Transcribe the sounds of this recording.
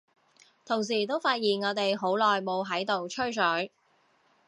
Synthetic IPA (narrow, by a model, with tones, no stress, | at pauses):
t̪ʰʊ˨˩ŋs̬iː˨˩t̪o˥wfaː˧t̚jiː˨˩nŋɔː˨˧t̪e˨jɦo˨˥wlɔː˨jmo˨˧wɦɐ˨˥jt̪o˨wt͡ʃʰɵ˥ɥsœ˨˥